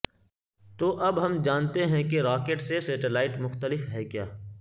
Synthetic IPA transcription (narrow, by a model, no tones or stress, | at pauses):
t̪oːʔɐbɦɐmd͡ʒaːnt̪eɦɛ̃keɾaːkeːʈseseːʈɪlaːɪʈmʊxt̪əlɪfɦɛkjaː